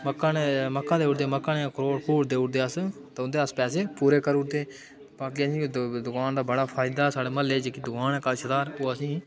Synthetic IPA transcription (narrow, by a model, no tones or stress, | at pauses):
məkːãːneməkːãːd̪eːʊɽd̪eːməkːãːnẽkɾoːɽkuːɾd̪eːʊʈd̪eːəst̪ːʊnd̪eːəspɛːs̬eːpuːɾeːkəɾʊʈd̪eː | paːkiəsĩːd̪ʊkaːnd̪aːbəɽaːpʰaːɪd̪aːsaːɽeːməlːeːd͡ʒeːkid̪ʊkaːnɛːkəʃəd̪aːɾoːəsĩː